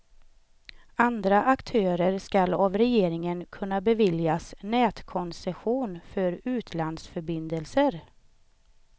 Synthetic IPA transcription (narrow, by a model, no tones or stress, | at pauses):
and̪ɾaʔakt̪ʰøːɾəɾskalavɾɛjeːɾɪŋənkʰɵnːabɛvɪljasnɛːt̪kʰɔnsɛɧuːnfœɾʉ̟ːt̪ʰland̪sfœɾbɪnd̪əlsəɾ